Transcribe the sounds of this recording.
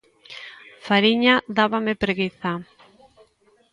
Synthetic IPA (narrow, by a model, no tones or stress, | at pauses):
faɾiɲaðaβamepɾeɣiθa